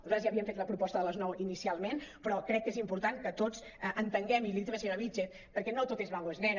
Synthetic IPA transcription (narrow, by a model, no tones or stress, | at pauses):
zazjaːβiəɱfet̪ləpɾupɔst̪əðələznɔwinisialˠmenpɾɔkɾɛkːezimpuɾt̪ankət̪ot͡s | əʔənt̪əŋɡɛmiliðiβəsɲoɾəβid͡ʒeθ | pəɾkɛnot̪ot̪ezβaloeznɛn